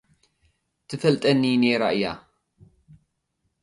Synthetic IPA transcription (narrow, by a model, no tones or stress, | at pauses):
t̪ʰɨfɐlt̪ʼɐnːiːneɾaʔja